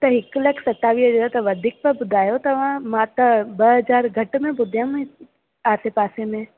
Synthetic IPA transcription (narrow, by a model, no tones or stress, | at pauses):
t̪ɐɦɪklɐkʰsɐt̪ːaːʋid͡ʒɐd̪ot̪ɐʋɐd̪ʱiːk̚pɐbʊd̪ʱaːjot̪ɐʋ̤ãmãt̪ɐbɐɦɐd͡ʒaːɾɡʱɐʈmẽbʊd̪ʱjãmẽ | aːsepaːsemẽ